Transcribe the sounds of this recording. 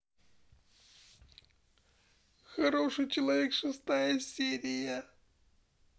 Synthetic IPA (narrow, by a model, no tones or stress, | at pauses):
xɐɾo̞ʂɨjt͡ɕɪlˠɐvʲekʂɨst̪ajəsʲeɾʲɪjə